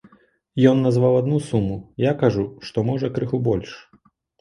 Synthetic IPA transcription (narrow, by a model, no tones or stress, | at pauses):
jɔnːazvawad̪nusumujakaʐuʂt̪ɔmɔʐɐkɾɨxubɔlʲʂ